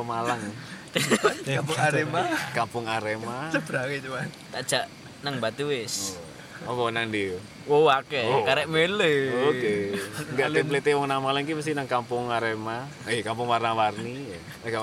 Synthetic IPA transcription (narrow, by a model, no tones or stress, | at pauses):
malaŋ | apʊŋaɾemakampʊŋaɾemat͡ʃəb̥ɾaŋit͡ʃuman | t̪ad̥d͡ʒ̥aʔ | naŋbat̪uwɪs | akɔnaŋdi | wowakɛkaɾɛʔmeleokeŋɡaʔt̪eplet̪ewɔŋnamalaŋkiməs̬t̪inaŋkampʊŋaɾema | ekampʊŋwarnawarnij | ka